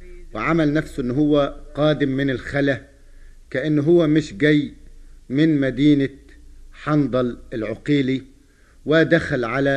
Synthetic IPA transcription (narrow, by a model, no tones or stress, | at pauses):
wɪʕamalnæfsʔɪnːɦʊwːæqɑːd̪ɪmːɪnɪlxala | kaʔɪnːɦʊwːæmɪʃɡæjːmɪnmæd̪iːnaħɑnd̪ˤɑlʔɪlʕʊqiːli | wɪd̪axalʕala